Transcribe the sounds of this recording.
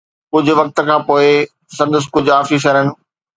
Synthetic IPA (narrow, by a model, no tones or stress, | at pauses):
kʊd͡ʑʱʊ̆ʋɐk̚t̪̆kʰãːpoːe | sɐ̃nd̪əs̬kʊd͡ʑʱaːfiʃ̬ɐɾənɪ̆